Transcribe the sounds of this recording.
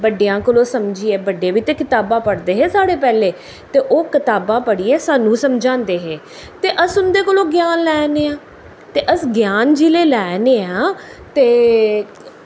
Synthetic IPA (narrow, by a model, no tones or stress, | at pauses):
bəɖijãːkəlõːsəmd͡ʒiːeːbəɖeːʋiːt̪eːkɪt̪aːbãːpəɽd̪eːɦeːsaːɽeːpɛːleː | t̪eːʔoːkɪt̪aːbãːpəɽiːeːsaːnũːsəmd͡ʒãːnd̪eːɦeː | t̪eːʔəsʊnd̪eːkolõːɡjaːnlɛːneːãː | t̪eːʔəsɡjaːnd͡ʒiːleːlɛːneːãː | t̪eː